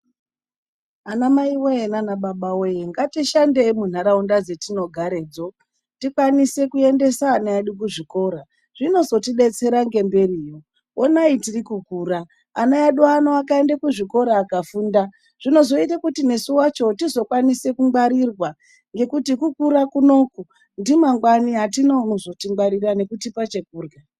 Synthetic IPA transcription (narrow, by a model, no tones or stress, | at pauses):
anamaiweenanaɓaɓawejeŋɡatiʃande̞mun̤aɾaundad͡ze̞tino̞ɡʱaɾe̞ːd͡zo̞ | tikwanise̞kue̞nde̞saːnajaɗuk̬uʐiko̞ɾa | ʐ̥ino̞zo̞tiɗe̞t͡se̞ɾaŋɡe̞mbe̞riːjo | onaitirikukuːraː | najaɗuanoakae̞ndakuʐiko̞ɾaːkafuːnda | ʐ̥ino̞zo̞itakutine̞suwat͡ʃo̞tizo̞kwanise̞kumwaɾirwa | ŋɡe̞kutikukuɾakuno̞ku | ndimaŋɡwaniɦatinozo̞tiŋaɾirane̞kutipat͡ʃe̞k̚uːrɡa